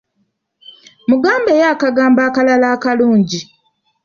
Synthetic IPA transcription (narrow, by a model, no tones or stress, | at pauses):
muɡaːmbejakaɡaːmbaːkalalaːkaluːɲɟi